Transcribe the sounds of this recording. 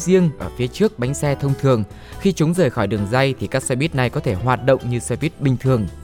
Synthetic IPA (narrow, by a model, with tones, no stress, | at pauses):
zi˧əŋʔəː˧˩fi˨˦ət͡ɕɨ˦˥ək̚ɓa˨˦jŋ̟sɛ˧t̪ʰə˧wŋ͡mt̪ʰɨ˨˩əŋ | xi˧t͡ɕʊ˨˦ŋ͡mzəː˨˩jxɔ˧˩jɗɨ˨˩əŋza˧jt̪ʰi˨˩kaː˦˥k̚sɛ˧ɓi˦˥t̚na˨˩jkɔ˨˦t̪ʰe˧˩ɦwaː˨˩t̚ɗə̰˧˨wŋ͡mɲɨ˧sɛ˧ɓi˦˥t̚ɓï˨˩ŋ̟t̪ʰɨ˨˩əŋ